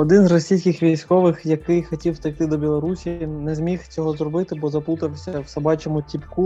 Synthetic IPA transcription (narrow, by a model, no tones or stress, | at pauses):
ɔd̪ɪnzrɔsʲijsʲkʲɪxʋʲisʲkɔʋɪxjɐkɪjxɔtʲiwst̪ɐjt̪ɪd̪ɔbʲilˠɔɾusʲinɛzmʲixt͡sʲɔɦɔzrɔbɪt̪ɪbɔzɐput̪ɐwsʲɐwsɐbɑt͡ʃɔmʊtʲipku